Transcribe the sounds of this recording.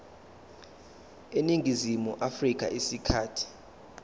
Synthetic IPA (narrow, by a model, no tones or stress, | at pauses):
eniŋʱizimuʔafrik̬ʼa̰ʔisikʰaːtʰi̥